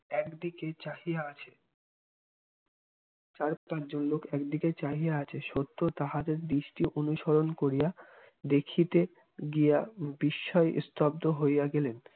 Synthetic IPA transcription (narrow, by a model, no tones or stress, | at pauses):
ɛkd̪iket͡ɕaɦijaat͡ɕʰe | t͡ɕaɾpat͡ɕd͡ʑonlokʰɛkd̪iket͡ɕaɦijaat͡ɕʰeʃot̪ːot̪aɦat̪eɾd̪iʃʈiʔonuʃoɾonkoɾija | d̪ekʰit̪e | ɡijabiʃːɔeʔst̪ʰɔbd̪oɦojjaɡelen